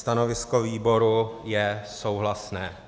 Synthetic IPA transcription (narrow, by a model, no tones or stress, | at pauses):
t̪ano̞vɪskoviːbo̞ɾujɛso̞wɦlasnɛː